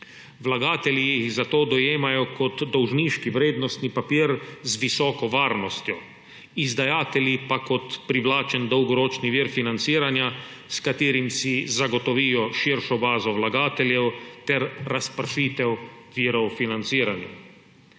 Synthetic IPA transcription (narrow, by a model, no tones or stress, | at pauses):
ʋlaɡaːt̪ɛlijiɣzat̪oːd̪ɔjeːmajɔkɔt̪d̪ɔwʒniːʃkiʋɾeːd̪nɔst̪nipapiːɾzʋisɔːkɔʋaːɾnɔst̪jɔ | izd̪ajaːt̪ɛlʲjipakɔt̪pɾiʋlaːt͡ʃɛnd̪ɔwɡɔɾoːt͡ʃniʋiːɾfinant̪siːɾanja | skat̪iːɾimsizaɡɔt̪ɔʋiːjɔʃiɾʃɔbaːzɔʋlaɡaːt̪ɛljɛwt̪ɛɾːaspɾʃiːt̪ɛwʋiːɾɔwfinant̪siːɾanja